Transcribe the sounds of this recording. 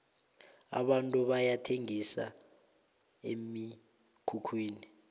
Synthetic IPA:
a̰ɓantʼuɓajatʰeŋisa̰ | emi | kʰukʰwiːni

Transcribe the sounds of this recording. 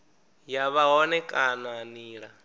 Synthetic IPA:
jaβaɦɔnɛkʼananiːɺa

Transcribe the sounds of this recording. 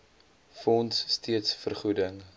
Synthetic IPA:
fɔnsːtʰiətsfərχudəŋ

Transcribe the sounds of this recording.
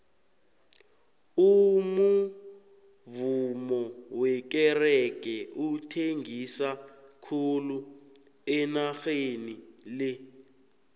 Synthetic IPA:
umu | vumɔwɛk̬ɛrɛk̬ʼɛʔutʰeŋɡisakʰulu | ɛnaxenilɛ

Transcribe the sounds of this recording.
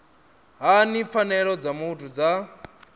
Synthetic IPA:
ɦanip̪fanɛɺɔd͡zamutʰud͡za

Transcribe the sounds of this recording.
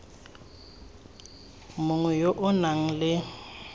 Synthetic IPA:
mʊŋwɛjoʔʊnaŋ̩lɪ

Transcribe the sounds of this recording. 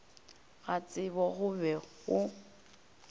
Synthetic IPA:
ɣat͡sʼɪbɔɣʊbɛɣʊ

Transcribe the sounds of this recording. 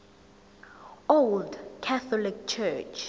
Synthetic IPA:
oldkʰɛθɔlik̚t͡ʃʰɛt͡ʃʰ

